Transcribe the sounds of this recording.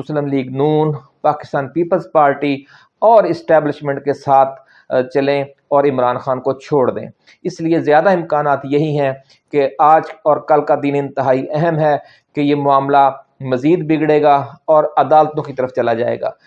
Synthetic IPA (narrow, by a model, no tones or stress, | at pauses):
ʊsləmliːɡnuːn | paːkɪ̥st̪aːnpiːpəlzpaːɾʈi | ɔːɾɪsʈɛːblɪʃmɛ̃ɳʈkesaːt̪ʰ | t͡ʃɐlẽ | ɔːɾɪmɾaːnxaːnkot͡ʃʰoːɽd̪ḛ̃ː | ɪsliezjaːd̪aɪ̃mkaːnaːt̪jɐɦiɦɛ̃ | keaːd͡ʒɔːɾkɐlkad̪iːnɪ̃nt̪ɪɦaːiʔɛɦɛmɦɛ | kejemʊaːmlamɐziːd̪bɪɡɽeːɡaɔːɾɐd̪aːlət̪õkit̪ɐɾəft͡ʃɐlad͡ʒa̰ːḛːɡa̰ː